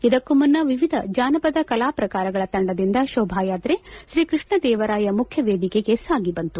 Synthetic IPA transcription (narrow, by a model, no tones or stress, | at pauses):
id̪ɐkːumunːɐʋiʋid̪ʱɐd͡ʒaːnɐpɐd̪ɐkɐlaːpɾɐkaːɾɐɡɐɭɐt̪ɐɳɖɐd̪ind̪ɐʃɔːbʱaːjaːt̪ɾeʃɾiːkɾɨʂɳɐd̪ɛːʋɐɾaːjɐmukʰjɐʋeːd̪ikeɡe̞saːɡibɐnt̪u